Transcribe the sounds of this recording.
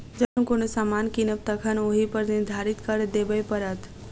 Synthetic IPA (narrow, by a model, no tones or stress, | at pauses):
d͡ʒəkənkonosamankinəp̚t̪əkʰənoɦipəɾnid̪ʱaɾit̪kəɾd̪ebəjpəɾət̪ʰ